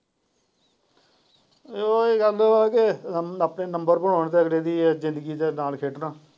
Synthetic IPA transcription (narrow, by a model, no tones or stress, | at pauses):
oːɡəlaːkeapneːnəmbəɾbəɽoːɳt̪eːəɡleːd̪iːzɪ̃nd̪əɡiːd̪eːnaːlkʰeːʈnãː